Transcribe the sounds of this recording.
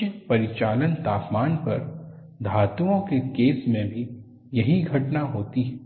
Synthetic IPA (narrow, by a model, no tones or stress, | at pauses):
pɐɾɪt͡ʃaːlənt̪aːpmaːnpɐ̰ɾ | d̪ʱaːt̪ũõkekeːsmẽbʱi | jɐɦiɡʱɐʈnaɦoːt̪iɦɛ